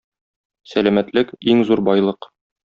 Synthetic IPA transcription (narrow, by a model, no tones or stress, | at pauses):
sælæmæt̪lɘkiŋzuɾbɒjlˠɤq